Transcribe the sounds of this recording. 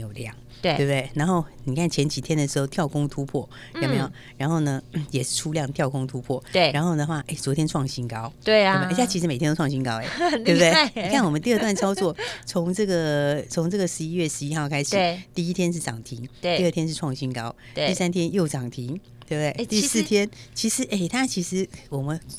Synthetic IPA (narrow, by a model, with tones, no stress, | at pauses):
jo˨˩ljɑ˥˩ŋ | t̪e˧˩we˥˩bt̪we˥˩ɪna˧˥nxo˥˩ʊni˨˩kʰa˥˩nt͡ɕʰjɛ˧˥nt͡ɕi˨˩t̪ʰjɛ˥nd̪ə˨ʂɻ̩˧˥xo˥˧ʊt̪ʰjɑ˥˩ʊkʊ˥ŋt̪ʰu˥pʰwɔ˥˩ | ja˧˩pe˥jo˨˩ʊ | ɻa˧˥nxo˥˩ʊnə˩jɛ˨˩ʂɻ̩˥˩ʈ͡ʂʰu˥ljɑ˥˩ŋt̪jɑ˥˩ʊkʰʊ˥ŋt̪ʰu˥pʰwɔ˥˩˥ɻa˧˥nxo˥˩ʊd̪ə˩xwa˥˩ʔe˥˩ɪt͡swɔ˧˥t̪ʰjɛ˥nʈ͡ʂʰwɑ˥˩ŋɕi˥nkɑ˥ʊt̪we˥˩˥ɕja˥˩t͡ɕʰi˧˥ɻ̩˧˥me˨˩tʰjt̪o˥˩ŋɕi˥nkɑ˥ʊe˨˩e˥˧t̪e˥˩ɪni˩kʰa˥˩nwɔ˨˩ə˦nt̪i˥˧˥t̪wa˥˨nt͡sʰɑ˥ʊt͡swɔ˥˩t͡sʰʊ˧˥ŋʈ͡ʂɤ˥˩ɡə˩t͡sʰʊ˧˥ŋʈ͡ʂɤ˥˩ɡə˩ʂɻ̩˧i˦˥ɥɛ˥˩ʂɻ̩˧˦i˦˥xɑ˥˩ʊkʰa˥ɪʂɻ̩˨˥t̪i˥˩i˥t̪ʰjɛ˥nʂ̬ɻ̩˥˩ʈ͡ʂɑ˨˩ŋt̪ʰi˧˥ŋi˥˧ə˥˩t̪ʰjɛ˥nʂ̬ɻ̩˥˧ʈ͡ʂʰwɑ˥˩ŋɕi˥nkɑ˥ʊ | t̪i˥˧sa˥nt̪ʰjɛ˥njo˥˩ʊʈ͡ʂɑ˨˩ŋt̪ʰi˧˥ŋ | t̪we˥˧˩bt̪we˥˩ɪt̪i˥˧sɹ̩˥˩t̪ʰjɛ˥nt͡ɕʰi˧˥ʂɻ̩˧˥ʔe˥˩ɪt̪ʰa˥t͡ɕʰi˧˥ʂɻ̩˧˥wɔ˨˩mə˦n